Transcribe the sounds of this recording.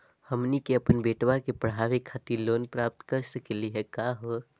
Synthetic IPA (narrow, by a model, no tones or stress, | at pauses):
həmnikeəpənbeʈʋakepəɽ̤aʋekʰat̪iɾlonpɾap̚t̪kəɾsəkeliɦɛkaɦo